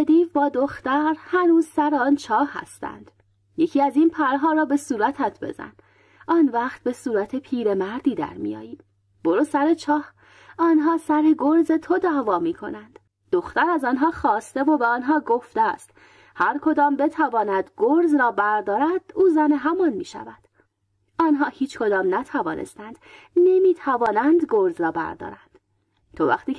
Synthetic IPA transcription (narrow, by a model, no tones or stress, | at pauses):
ed̪iːvbɒːd̪oxt̪æɾhænuːzsæɾeɒːnt͡ʃʰɒːhːæ̰st̪æ̰nd̪̥ | jecʰiːæzinpʰæɾɦɒːɾɒːbe̞suːɾæt̪ʰæt̪ʰbe̞̰zæ̰n | ʔɒːnvæːχt̪̚be̞suːɾæt̪ʰe̞pʰiːɾe̞mæɾd̪iːd̪æ̰ɾmḭjɒ̰ːjiːm | b̥o̞ɾuːsæɾet͡ʃʰɒːh | ɒːnɦɒːsæɾeɡoɾze̞t̪ʰod̪æːvɒːmiːkʰo̞̰nænd̪̥ | d̥̪oxt̪æɾæzɒːnɦɒːxɒːst̪e̞vobeɒːnɦɒːɡoft̪ḛst̪ | hæɾkʰo̞d̪ɒːmbe̞t̪ʰævɒːnæd̪ɡoɾzɾɒːbæɾd̪ɒːɾæd̪̥uːzæneɦæmɒnmḭːʃæ̰væd̪̥ | ɒːnɦɒːhiːt͡ʃkʰod̪ɒːmnæt̪ʰævɒːnʔe̞̰st̪ænd̪̥ne̞miːt̪ʰævɒːnænd̪ɡoɾzɾɒːbæ̰ɾd̪ɒ̰ːɾænd̪̥ | t̪ʰovæ̰χt̪iː